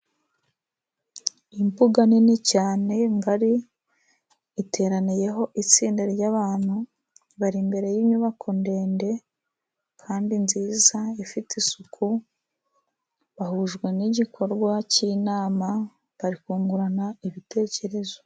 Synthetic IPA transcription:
impuɡaninicaːne̞ŋɡaɾi | tʰe̞ːɾanije̞ɦo̞ʔit͡siːndeɾɟaβaːn̥hu | βaɾimbe̞ɾe̞jimɲuβakʰo̞nde̞ːnde̞ | kʰaːndinziːzaifitisukʰu | βahuʒɡwe̞niɟikʰo̞ɾɡwacinaːma | βaɾikuːŋɡuɾanaiβite̞ːce̞ɾe̞zo

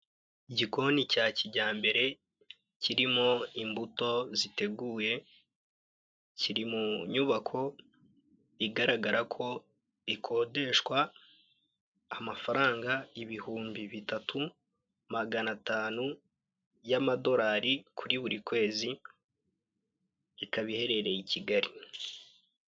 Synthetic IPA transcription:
iɟiko̞nicaːciɟaːmbe̞ɾe̞ | cʰiɾimo̞imbuto̞zite̞ɡuːje̞ | ciɾimuɲuβakʰo̞ | iɡaɾaɡaɾʔakʰo̞ | ikʰo̞ːde̞ʃwa | mafaɾaːŋɡaiβihuːmbiβitatu | maɡanataːnu | jamado̞ɾaːɾikʰuɾiβuɾikwe̞ːzi | kaβihe̞ɾe̞ɾe̞iciɡaɾi

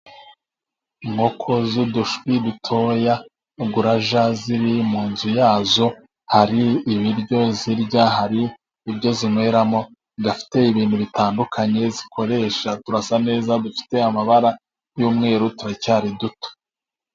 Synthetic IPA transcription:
ŋo̞kʰo̞zuduʃwidutʰo̞ja | ɡuɾaʒaziɾimuːnzujaːzo̞ | haɾiːβiɾɟo̞ziɾɟaɦaɾiː | bɟo̞zimwe̞ɾamo̞ | ɡafi̥te̞iβiːnhuβitaːndukʰaɲe̞zikʰo̞ɾe̞ʃatuɾasane̞ːzadufi̥te̞amaβaɾa | juːmŋe̞ːɾutuɾacaːɾiduto̥

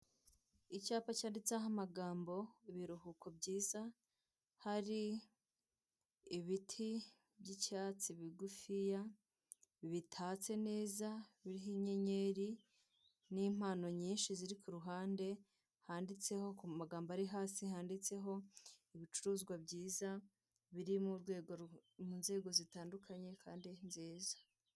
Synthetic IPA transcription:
icaːpacaːndit͡saɦamaɡaːmbo̞iβiɾuhuko̞bɟiːza | haɾi | βitʰi | bɟicaːt͡siβiɡufija | βitʰaːt͡se̞ne̞ːzaβiɾiɦiɲe̞ɲe̞ɾi | niːm̥aːno̞ɲiːnʃiziɾikuɾuɦaːnde̞ | haːndit͡se̞ho̞kumaɡaːmbaɾiɦaːsihaːndit͡se̞ɦo̞iβit͡ʃuɾuːzɡwabɟiːza | βiɾimuɾɡweːɡomuːnze̞ːɡo̞zitaːndukʰaɲe̞kaːndinziːzḁ

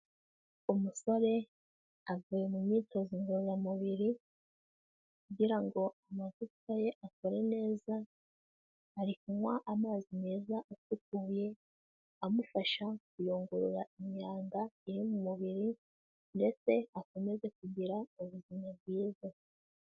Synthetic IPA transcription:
umuso̞ɾe̞ | avujemumɲiːto̞ziŋɡoɾujamuβiɾi | kuɟiɾaŋɡo̞amazukaje̞ʔako̞ɾe̞ne̞ːza | aɾikumwaʔamaːzine̞ːzaʔotukuːje̞ | amufaʃakujoːŋɡuɾuɾaimɲaːŋɡaiɾimumuβiɾi | nde̞t͡se̞ako̞me̞ze̞k̚uɟiɾauβuzimaβɡwiːza

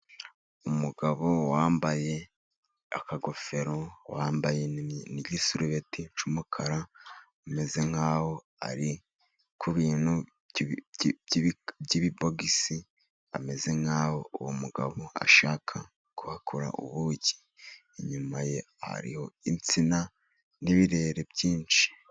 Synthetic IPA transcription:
umuɡaβo̞waːmbaje̞ | a̰kaɡo̞fe̞ɾowaːmbajeniɟisuɾuβetit͡ʃumukʰaɾa | ame̞ze̞ŋ̥haːho̞ | a̰ɾi | kʰuβiːnhu | bɟiβiboɡisi | ame̞ze̞ŋ̥haːwo̞uwomuɡa̰βoa̰ʃaːkʰa | kuhakʰoɾa̰ʔṵβuːɟi̥ | eɲumaje | ha̰ɾḭho̞̰int͡sina | niβiɾe̞ːɾe̞bɟiːnt͡ʃi̥

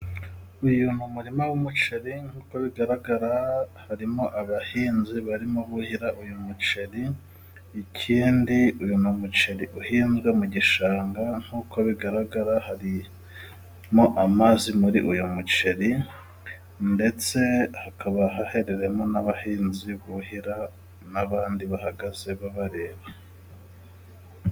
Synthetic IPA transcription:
ujunumuɾimawumut͡ʃe̞ɾiŋ̥huːkoβiɡaɾaɡaɾahaɾimo̞ʔaβahiːnziβaɾimoβuhiɾaʔujumut͡ʃe̞ɾiː | cʰiːndiujunumut͡ʃe̞ɾiʔuhiːnzɡwemuɟiʃaːŋɡaŋ̥huːkʰoβiɡaɾaɡaɾahaɾi | mo̞ʔamazimuɾḭʔujumut͡ʃe̞ɾi | nde̞t͡se̞hakʰaβaɦahe̞ɾe̞ɾe̞mo̞naβahiːnziβuhiɾa | naβaːndiβahaɡaze̞βaβaɾe̞ːβa

